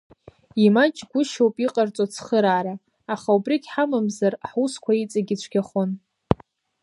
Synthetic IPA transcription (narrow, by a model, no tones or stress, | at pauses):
imat͡ʃʼɡʷʊʃowpʼiqʼart͡sʼot͡sʰχəɾaːɾa | aχaubriɡʲħamamzarħuskʷʰait͡sʼaɡʲit͡ɕʷʰɡʲaχon